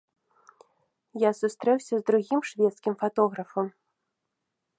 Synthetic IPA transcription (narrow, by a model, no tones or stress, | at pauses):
jasust̪ɾɛwsʲɐzd̪ɾuɣʲimʂvʲɛt̪skʲimfat̪ɔɣɾɐfɐm